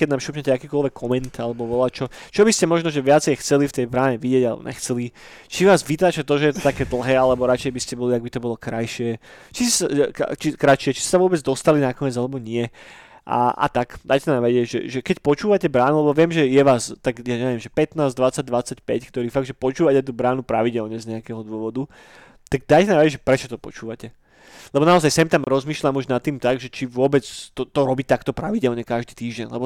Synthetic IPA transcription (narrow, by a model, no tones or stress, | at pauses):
kɛɟnaːmʃuːpɲɛcɛakiːkɔlʋɛkʰːɔmɛnt̪alɛbɔʋɔlat͡ʃɔt͡ʃɔbiscɛmɔʒnɔʒɛʋɪat͡sɛjxt͡sɛlift̪ɛjbɾaːɲɛʋiɟɪɛɟalɛ̰bɔ̰ɲʔɛ̰xt͡sɛli | t͡ʃiʋaːzʋit̪aːt͡ʃat̪ɔʒɛjɛt̪ɔt̪akɛːd̪l̩ˠɦɛːalɛbɔɾat͡ʃɛjbiscɛbɔliaɡ̚bit̪ɔbɔlɔkɾajʃɪɛt͡ʃissat͡ʃikɾat͡ʃɪɛt͡ʃi̥stːɛsaʋʊɔbɛd͡zd̪ɔst̪alinakɔɲɪɛd͡zalɛbɔɲɪɛ | ʔa̰ʔa̰t̪akd̪ajcɛnaːmʋɛɟɪɛɟʒɛ̰ʒɛkɛcpɔt͡ʃuːʋacɛbɾaːnulɛbɔʋɪɛmʒɛjɛʋaːst̪aɡjaɲɛʋɪɛmʒɛpɛt̪naːzd̪ʋat͡saɟ̚d̪ʋat͡sacpɛckt̪ɔɾiːfaɡ̚d̪ʒɛpɔt͡ʃuːʋacɛt̪ubɾaːnupɾaʋiɟɛlɲɛzɲɛakɛɦɔd̪ʊɔʋɔd̪u | t̪aɡ̚d̪ajcɛnaːmʋɛɟɛʒɛpɾɛt͡ʃɔ̥t̪ɔpɔ̰t͡ʃuːʋacɛ | lɛbɔnaɔzajsɛmt̪amɾɔzmiːʃlamuʒnat̪ːiːmt̪aɡʒɛt͡ʃiʋʊɔbɛt͡st̪ɔt̪ɔɾɔbit̪akt̪ɔpɾaʋiɟɛlɲɛkaʒd̪iːt̪iːʒɟɛ̰nlɛ̰bɔ